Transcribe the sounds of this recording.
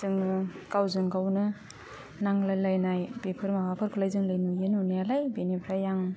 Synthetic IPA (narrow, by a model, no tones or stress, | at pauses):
zɯŋɯkawzɯŋkawnɯ | naŋlalajnajbepʰɯɾmawapʰɯɾkʰulajzɯŋlajnujenunijalajbenepʰɾajaŋ